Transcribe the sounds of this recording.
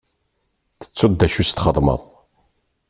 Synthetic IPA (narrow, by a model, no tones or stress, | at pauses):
θə̥t͡sːʊd̪ːæʃust̪χəðˤmə̰ðˤ